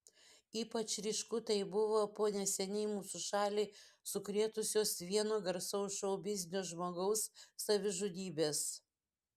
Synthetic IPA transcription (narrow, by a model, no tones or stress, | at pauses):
iːpɐt͡ʃɾʲɪʃkʊt̪ɐɪbʊʋoːpoːnʲɛsʲɛnʲɛɪmuːsʊʃɑːlʲiːsʊkɾʲiɛt̪ʊsʲoːsʋʲiɛnoːɡɐɾsɐʊʃɐʊbʲɪzʲnʲoːʒmoːɡɐʊsːɐʋʲɪʒʊd̪ʲiːbʲeːs